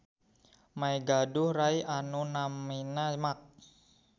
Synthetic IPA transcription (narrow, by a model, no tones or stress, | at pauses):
maiɡaduhraiʔanunaminamak̚